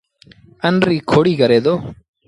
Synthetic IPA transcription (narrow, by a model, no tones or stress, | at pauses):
ɐnɾiːkʰoːɽiːkɐɾeːd̪oː